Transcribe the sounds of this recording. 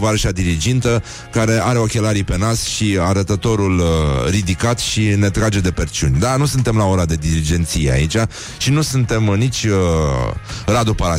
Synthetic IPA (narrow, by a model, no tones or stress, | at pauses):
vaɾəʃiad̪iɾid͡ʒint̪ə | kaɾe̞aɾe̞o̞kʲe̞laɾipe̞nasʃiaɾət̪ət̪o̞ɾulrid̪ikat̪ʃine̞t̪ɾad͡ʒe̞d̪e̞pert͡ʃiunʲd̪anusunt̪e̞mlao̞ɾad̪e̞d̪iɾid͡ʒe̞nt̪sijea̰it͡ʃʲa | ʃinusunt̪e̞mnit͡ʃʲə | rad̪upaɾa